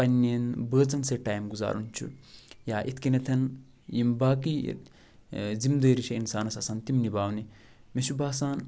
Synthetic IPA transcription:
pɐnːenbəːt͡sɐnseʈaːjmɡuza̰ːɾunt͡ʃʰṵjaːʔit̪ʰkinɐt̪ʰɐn | jimbaːkḭ | zimd̪əːɾiʃʰɐinsaːnɐsɐsɐnt̪imnibaːwni | mesubaːsaːn

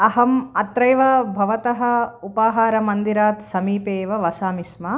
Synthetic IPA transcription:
ɐɦɐmɐt̪ɾɐjʋɐbʱɐʋɐt̪ɐɦɐ̆upaːɦaːɾɐmɐnd̪iɾaːt̪sɐmiːpeːʋɐʋɐsaːmismɐ

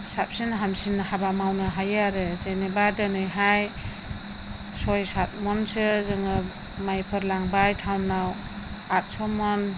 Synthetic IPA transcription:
sap̚sinɦamsinhabamawnɯɦajaɾɯzenebadɯnɯjɦaj | sɔjsat̚mɔnsɯzɯŋɯ | majpʰɯɾlaŋbajtʰawnːaw | at̚sɔmɔn

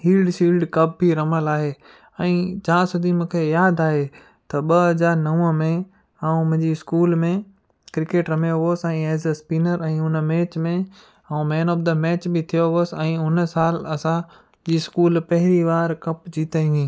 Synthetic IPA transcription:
hiːlɖsiːlɖkɐp̚bʱiɾɐməlaːɦeː | ɛ̃ːt͡ɕãːsʊd̪ʱimũːkʰejaːd̪aːɦe | t̪ɐɓɐɦɐzaːɾnɐʋə̃mẽ | aːũmʊ̃ɦɪ̃ɲd͡ʑiɪskuːlmẽ | kɾɪkeːʈɾɐmjoʋoːsɛ̃ːeːzspiːnəɾɛ̃ːʊnmɛːt͡ɕmẽ | aũmɛ̃ːnob̚d̪əmɛːt͡ɕbɪt̪ʰijoɦoːsɛ̃ːʊn̆saːlɐsã | d͡ʑiːskuːlpɐɦɪɾiʋaːɾkɐpd͡ʑiːt̪aĩʋĩː

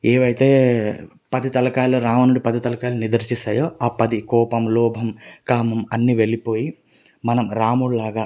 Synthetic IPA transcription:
eːʋɐjt̪e̞ː | pɐd̪it̪ɐlɐkaːlːuɾaːmɐnuɽipɐd̪it̪ɐlɐkaːlːunid̪ɐɾt͡ʃisɐːjoːaːpɐd̪ikɔːpɐmlɔːbʱɐmkaːmɐmɐnːiːʋe̞lipo̞ːji | mɐnɐmɾaːmuːɽlaːɡaː

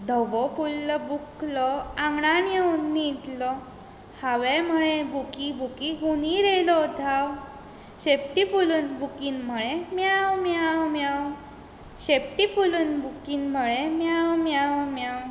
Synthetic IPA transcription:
d̪ʱɔʋɔfulːɔbuklɔãŋɡɽanjewnːit̪lɔ | haʋem̤əɭebʱukibʱukiɦuniɾelɔd̪ʱaw | ɕepʈifuluːnbʱukiːnm̤əɭemjawmjawmjaw | ɕepʈifuluːnbʱukiːnm̤əɭemjawmjawmjaw

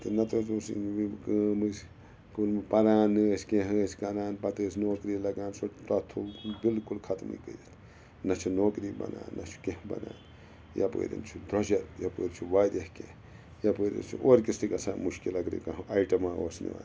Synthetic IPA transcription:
t̪ɨnɐt̪ot̪usḭnʋikəːmɨs | kulmpɐɾaːnːɨskeɦɨːskɐnaːnpɐt̪ɨːsnoːkɾilɐɡaːnsot̪ɐt̪ʰːukulbilkulkʰɐt̪mɨ̰jkə̰jɐt̪ʰ | nɐt͡ʃʰunoːkɾiːbɐ̰na̰ːnːɐt͡ʃʰu̥keɦbɐ̰naːn | ja̰pə̰ːɾḭnt͡ʃʰud̪ɾɐʃɐtjɐpəːɾt͡ʃʰuʋaːd̪jɐhkḛ̃ | jɐpəːɾḭnt͡ʃʰuʔoːɾkist̪ikɐsaːmuʃkilɐkɾḭkɐɦɐiʈɐmaːoːsnɨ̰ʋa̰ːn

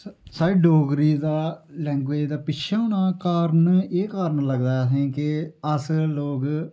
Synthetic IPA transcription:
saːɖoːɡɾiːd̪aːlɛ̃ːŋɡʋeːd͡ʒd̪aːpɪʃʰaːnaːkaːɾneːkaːɾnləɡd̪aːɛsẽːkɪəsloːɡ

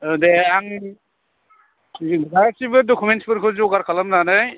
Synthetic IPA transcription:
deaŋ | ɡasibɯdokʰumentsbʰɯɾkʰɯzuɡaɾkʰalamnanaj

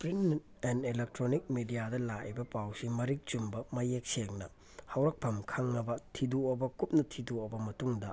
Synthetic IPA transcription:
pɾin | enelek̚tɾonik̚midijadɐlaʔibɐpawsimɐɾik̚t͡ʃumbɐmɐjek̚seŋnɐ | hɐwɾɐk̚pʰɐmkʰɐŋːɐbɐtʰiduobɐkup̚nɐtʰiduobɐmɐtuŋdɐ

